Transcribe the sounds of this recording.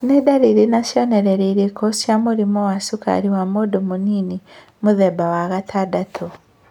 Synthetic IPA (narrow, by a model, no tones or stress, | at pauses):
nedaɾiɾinaʃjoneɾeɾiɾikosjamuɾimowasuka̰ɾiwamodomuniːni | muðebawaɣatʰaːdatʰo